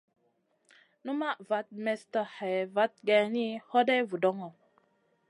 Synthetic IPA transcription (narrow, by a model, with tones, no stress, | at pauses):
nu˦ma˦˨va˨˦t̚mɛ˨stə˨ha˨jva˦t̚ɡɛ˨ni˦hɔ˦de˦vu˨dɔ˦ŋɔ˨